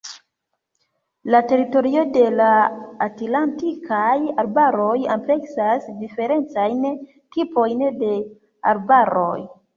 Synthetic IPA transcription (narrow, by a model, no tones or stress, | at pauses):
late̞ɾito̞ɾio̞de̞laːtlantikʰajaɾbaɾo̞jample̞ksasdife̞ɾe̞nt͡sajn | tipo̞jnde̞ | a̰ɾbaɾo̞̰j